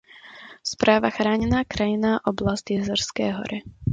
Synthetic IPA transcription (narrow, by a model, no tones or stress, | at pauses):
spɾaːʋaxɾaːɲɛnaːkɾajinaːʔɔblazcɛzɛɾskɛːɦɔ̰ɾɛ